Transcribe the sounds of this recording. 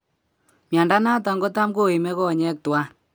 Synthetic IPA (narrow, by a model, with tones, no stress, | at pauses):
mja˨nda˦na˦tɔ˨ŋɡo˦ta˦mko˦i˨mɛ˦kɔ˦˨ɲɛ˦k̚twa˦